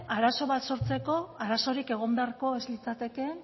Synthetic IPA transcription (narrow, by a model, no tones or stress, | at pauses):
aɾaso̞β̞at̪so̞ɾt͡se̞ko̞aɾaso̞ɾike̞ɣo̞mbeaɾko̞ezlit͡sat̪e̞ke̞